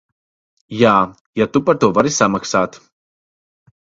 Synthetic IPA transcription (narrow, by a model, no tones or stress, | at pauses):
jaː | jat̪upaɾt̪uɔvaɾisamaksaːt̪